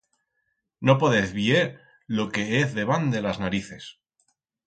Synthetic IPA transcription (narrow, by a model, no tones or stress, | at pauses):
no̞poðeθβjeɾ | lo̞ke̞eθðe̞βand̪e̞laznaɾiθe̞s